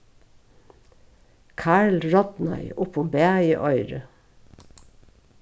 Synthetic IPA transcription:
kʰæːɭɹɔd̪nɑ̰ʏʊpʰɔmbeːɑʏəʔœʏɾə

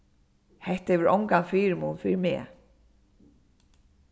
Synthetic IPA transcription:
hɛht̪ɛvɪɾʔɔ̰wŋkanfiːɾmuːnfɪɾɪɾmɛ̰ː

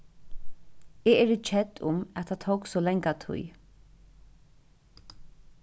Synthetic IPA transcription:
ɛːɛːɾɪt͡ʃʰɛt̪ːʊmɛt̪ʰat̪ʰowksɔːlɛŋkat̪ʰʊ̰j

